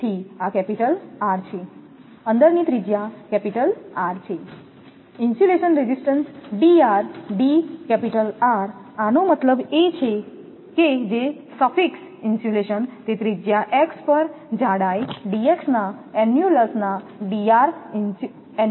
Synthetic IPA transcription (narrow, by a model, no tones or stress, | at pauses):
t̪ʰiakɛpiʈəlaɾt͡ʃʰe | ənd̪əɾnit̪ɾid͡ʒjakɛpiʈəlaɾt͡ʃʰe | insjuleʃənɾed͡ʒisʈənsɖiaɾɖikɛpiʈəlaɾanomət̪ləbet͡ʃʰe | ked͡ʒe | səfʰiks | insuleʃənt̪et̪ɾid͡ʒjaʔekspəɾd͡ʒaɽajɖieksnaɛnjuləsna | ɖiaɾ